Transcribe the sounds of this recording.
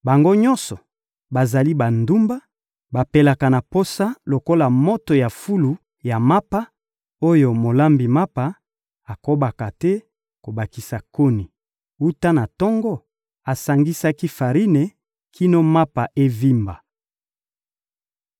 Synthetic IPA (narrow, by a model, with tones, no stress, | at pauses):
ba˨ŋɡo˦ɲɔ̃˦sɔ˨ | ba˨za˨li˦ba˨ndu˦mba˦ | ba˨pe˦la˨ka˨na˨po˦sa˦lo˨ko˦la˨mo˦to˨ja˨fu˦lu˨ | ja˨ma˦pa˦ | o˦jo˨mo˨la˦mbi˨ma˦pa˨ | a˨ko˦ba˨ka˨tɛ˦ | ko˨ba˨ki˨sa˨ko˦ni˨ | u˦ta˦na˨tɔ˦ŋɡɔ˦ | a˨sa˨ŋɡi˦sa˦ki˦fa˨ʁi˦ne˨ | kʰi˦no˦ma˦pa˨ʔe˦vi˦mba˨